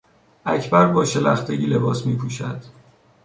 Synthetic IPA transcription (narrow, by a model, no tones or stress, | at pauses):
ʔæcʰbæɾbɒːʃelæxt̪ʰeɟiːle̞bɒːsmiːpʰuːʃæd̪̥